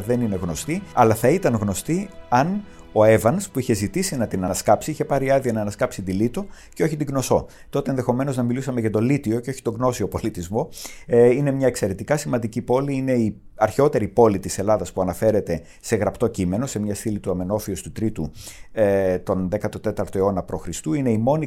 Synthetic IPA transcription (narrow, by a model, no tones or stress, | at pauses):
ðe̞nine̞ɣno̞st̪iɐlɐθɐit̪ɐnɣno̞st̪iɐn | o̞e̞vɐnspuiçe̞zit̪isinɐt̪inɐnɐskɐpsiiçe̞pɐɾiɐðiɐnɐːnɐskɐpsit̪ilit̪o̞ | ceo̞çit̪iɡno̞so̞ | t̪o̞t̪eenðe̞xo̞me̞no̞znɐmilusɐmeʝɐt̪o̞lit̪io̞ceoçit̪oɡno̞sio̞po̞lit̪izmo̞ine̞mɲɐekse̞ɾe̞t̪ikɐsimɐnd̪icipo̞liine̞iɐɾço̞t̪e̞ɾipo̞lit̪ise̞lɐðɐspuɐnɐfe̞ɾe̞t̪e̞ | se̞ɣɾɐpt̪o̞cime̞no̞se̞mɲɐst̪ilit̪uɐme̞no̞fiost̪ut̪ɾit̪u | t̪o̞nðe̞kɐt̪o̞t̪e̞t̪ɐɾt̪o̞e̞o̞nɐpɾo̞xɾist̪uine̞imo̞ni